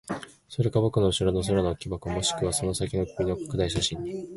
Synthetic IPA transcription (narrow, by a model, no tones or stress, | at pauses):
so̞ɾe̞kabo̞kɯ̟no̞ɯ̟ɕiɾono̞s̬oɾonokʲibakɯ̟omo̞ɕi̥kɯ̟β̞aso̞no̞sakʲino̞kɯmʲino̞kḁkɯ̟d̪aiɕ̬aɕĩɲːi